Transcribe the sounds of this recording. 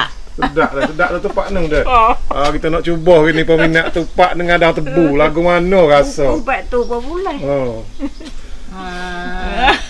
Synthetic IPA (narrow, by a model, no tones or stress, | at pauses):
t̪ədaʔdəədaʔt̪ət̪əpaʔnəŋdəakit̪ənɔʔt͡ʃubɔhkinipəminaʔt̪upaʔnəŋadat̪əbulaɡʊŋanɔɡasɔbaʔt̪ubɔbulaɔ